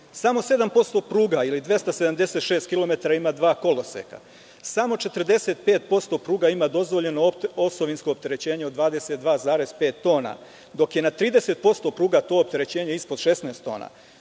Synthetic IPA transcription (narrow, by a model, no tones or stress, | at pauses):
samo̞se̞d̪ampo̞st̪o̞pɾuːɡailid̪ʋe̞st̪ased̪amd̪e̞se̞t̪ʃe̞ːst̪kilo̞me̞t̪aɾaimad̪ʋaːko̞lo̞sḛka̰ | samo̞t͡ʃe̞t̪r̩d̪e̞se̞t̪̚pe̞ːt̪̚po̞st̪o̞ːpɾuːɡaimaːd̪o̞zʋo̞ʎe̞noosoʋinsko̞ːpt̪eɾe̞t͡ɕe̞ːɲeod̪ʋaːd̪e̞set̪̚d̪ʋaːzaːɾe̞zpe̞ːt̪ːo̞ːna̰ | d̪o̞kjenat̪ɾiːd̪e̞se̞t̪̚po̞st̪o̞pɾuːɡat̪o̞ːop̚t̪e̞ɾe̞t͡ɕe̞ːɲeispod̪ʃesnaːst̪ːo̞ːna̰